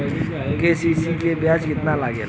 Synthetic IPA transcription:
kesisikebjat͡ʃkɪt̪nalaːɡḛ

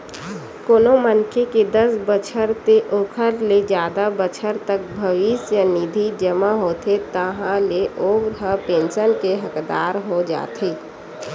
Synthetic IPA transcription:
koːnomənkʰeked̪ɐsbət͡ʃʰəɾt̪eʔoːkʰəɾled͡ʒjaːd̪abət͡ʃʰəɾt̪ək̚bʱɐʋɪsjənid̪ʱid͡ʒəmaɦoːt̪ʰet̪əɦãleʔoːɾɦəpẽːnsənkeɦɐkd̪a̰ːɾɦod͡ʒa̰ːt̪ʰeː

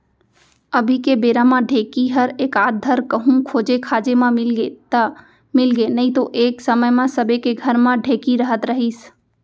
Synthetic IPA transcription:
əbʱikebeːɾãmãɖʱeːkiɦəɾeːkaːd̪ʱəɾkəɦũkʰoːd͡ʒekʰaːd͡ʒemãmɪlɡet̪ə | mɪlɡenəĩt̪oʔeːksəməjmãsəbʱekeɡʱəɾmãɖʱeːkiɾəɦət̪ɾəɦiːs

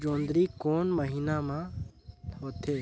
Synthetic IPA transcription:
d͡ʒoːnd̪ɾikoːnməɦiːnamã | ɦoːt̪ʰeː

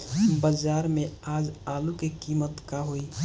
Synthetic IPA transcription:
bəd͡ʒaːɾmẽaːd͡ʒaːlukekiːmət̪kaɦoiː

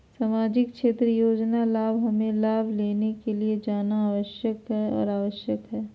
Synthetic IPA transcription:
saːmaːd͡ʒɪkkʃeːt̪ɾəjoːd͡ʒnalaːbʱɦɐmẽlaːbʱleːnekelied͡ʒaːnaaːʋəʃjəkɦɛɔ̰ːɾaːʋəʃjəkɦɛː

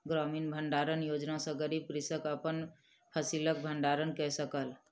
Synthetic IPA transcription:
ɡɾɔminbʱəɳɖaɾənjod͡ʒnasə̃ɡəɾib̚kɾisəkəpən | pʰəsilək̚bʱəɳɖaɾənkɛsəkəl

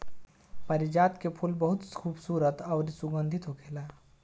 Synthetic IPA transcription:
pəɾɪd͡ʒaːt̪kepʰulbɐɦʊt̪kʰuːbsuːɾət̪aʊɾsʊɡə̃nd̪ʱit̪ɦokʰeːlaː

